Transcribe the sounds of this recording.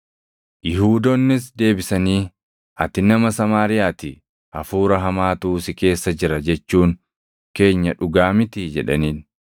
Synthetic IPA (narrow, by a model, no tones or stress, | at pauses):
jɪhuːd̪ɔnːɪs̬d̪e̞ːbɪsɐniː | ɐt̪ɪnɐmɐsɐmaːɾɪjaːt̪ɪ | ɐfuːɾɐɦɐmaːt̪uːsɪke̞ːsːɐd͡ʒɪɾɐd͡ʒɛt͡ʃːuːŋ | ke̞ːɲːɐᶑʊɡaːmɪt̪ɪd͡ʒɛᶑɐ̰niːn